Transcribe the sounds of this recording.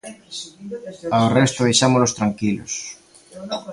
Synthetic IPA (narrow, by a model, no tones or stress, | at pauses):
aorɛst̪ʊβejʃamolost̪ɾaŋkilo̰s